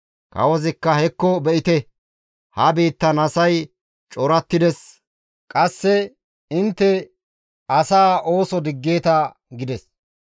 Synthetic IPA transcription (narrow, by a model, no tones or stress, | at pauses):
kɐ̰wɔzɪkːɐhɛkːɔbɛʔɪt̪ɛ | hɐbiːt̪ːɐnɐsɐj | t͡ʃʼɔɾɐt̪ːɪd̪ɛs | kʼɐsːɛ | ɪnt̪ːɛ | ɐsaːʔo̞ːsɔd̪ɪɡːe̞ːt̪ɐ | ɡɪd̪ɛs